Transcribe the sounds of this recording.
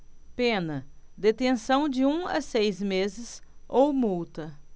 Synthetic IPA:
pẽnɐd̪et̪ẽsɐ̃w̃d͡ʒɪũɐ̰sejzmezɪsowmuwt̪ɐ

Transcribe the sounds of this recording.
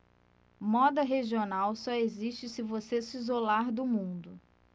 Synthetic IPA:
mɔd̪ɐɦeʒionawsɔeziʃt͡ʃɪsɪvosesizolaɾd̪ʊmũnd̪ʊ

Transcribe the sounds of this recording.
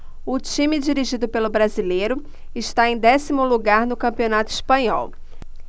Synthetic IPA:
ʊt͡ʃĩmɪd͡ʒiɾiʒid̪ʊpelʊbɾazilejɾʊ | ɪʃt̪aẽj̃d̪ɛsimʊluɡaɾnʊkɐ̃mpionat̪ʊispɐ̃ɲɔ̰w

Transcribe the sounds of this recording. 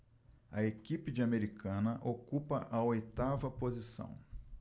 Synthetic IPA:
ɐekipɪd͡ʒɪameɾikʰɐ̃nɐʔokupɐʔɐojt̪avɐpozisɐ̰̃w̃

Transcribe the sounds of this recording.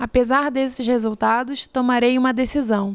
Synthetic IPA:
apezaɾd̪esɪʃhezuwt̪ad̪ʊst̪omaɾejũmɐd̪esizɐ̃w̃

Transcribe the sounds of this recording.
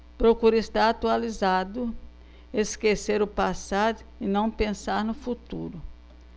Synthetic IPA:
pɾokuɾɪst̪aɾat̪ualizad̪ʊ | eskeseɾʊpasaɾ | ɪnɐ̃w̃pẽsaɾnʊfut̪uɾʊ

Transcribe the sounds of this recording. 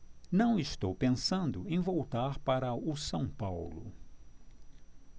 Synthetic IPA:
nɐ̃w̃ɪst̪owpẽsɐ̃nd̪ʊẽj̃vowt̪aɾpaɾɐʊsɐ̃w̃pawlʊ̰

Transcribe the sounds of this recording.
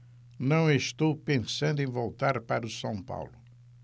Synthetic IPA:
nɐ̃w̃eʃt̪owpẽsɐ̃nd̪ʊẽj̃vowt̪aɾpaɾɐusɐ̃w̃pa̰wlʊ

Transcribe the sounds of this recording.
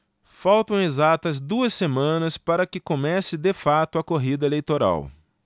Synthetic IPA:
fawt̪ɐ̃w̃ezat̪ɐzd̪uɐsːemɐ̃nɐspaɾɐkɪkomɛsɪd̪ɪfat̪ʊɐkoɦid̪ɐelejt̪oɾa̰w

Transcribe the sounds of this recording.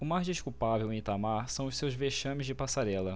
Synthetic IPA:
ʊmajzd͡ʒiʃkuwpavewẽt̪amaɾsɐ̃w̃ʊʃsewzveʃɐ̃mɪzd͡ʒɪpasaɾɛlɐ

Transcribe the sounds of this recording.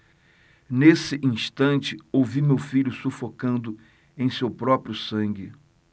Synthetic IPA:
nesɪʔĩʃt̪ɐ̃nt͡ʃɪowvimewfiʎʊsufokɐ̃nd̪ʊ | ẽj̃sewpɾɔpɾjʊsɐ̃ŋɡɪ

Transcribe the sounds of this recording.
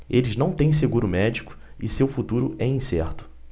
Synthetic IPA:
elɪznɐ̃w̃t̪ẽj̃s̬eɡuɾʊmɛd͡ʒikʊ̥ | ɪsewfut̪uɾʊɛĩsɛɾt̪ʊ̥

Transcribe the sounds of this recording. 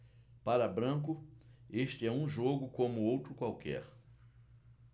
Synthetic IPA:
paɾɐbɾɐ̃kʊeʃt͡ʃɪɛũʒoɡʊkõmʊowt̪ɾʊkwawkʰɛ̰ɾ

